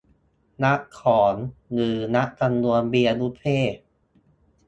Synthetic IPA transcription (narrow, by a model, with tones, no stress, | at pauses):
na˦˥ʔkʰːɔː˩˦nŋɯː˨˩na˦˥ʔka˧nnu˧ənbiː˧ʔa˧nu˦˥p̪ʰeː˥˩